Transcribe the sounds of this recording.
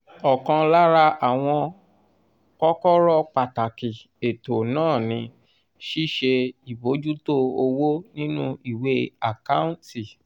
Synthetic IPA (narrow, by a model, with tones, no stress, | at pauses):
ɔ˨kã˧la˦ɾa˧ʔa˨w̃ɔ̃˧ | kɔ˦kɔ˦ɾɔ˦k͡pa˨ta˨ki˨ | e˨to˨nãː˦˨nĩ˧ | ʃi˦ʃe˧i˨bo˨˦d͡ʒu˦to˦o˧wo˦nĩ˦nũ˦i˦˨we˦a˨ka˦ũ˦ti˨